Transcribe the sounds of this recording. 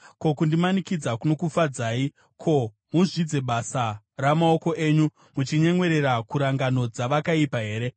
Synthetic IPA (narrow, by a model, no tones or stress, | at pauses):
ko̞kundimanikid͡zakuno̞kufad͡zaːi | kʰo̞ | muʐid͡ze̞ɓasa | ramao̞ko̞ʔe̞ːɲu | mut͡ʃiɲe̞ŋwe̞ɾe̞ɾakuɾaŋɡano̞d͡zaʋakaipaɦe̞ːɾe̞